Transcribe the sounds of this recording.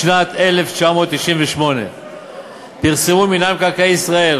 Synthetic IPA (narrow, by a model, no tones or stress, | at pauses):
ʃnat̪e̞le̞ft͡ʃamo̞ːt̪̚ːiʃimveʃmo̞ne̞̰ | piʁsemuminamkalkeisʁae̞l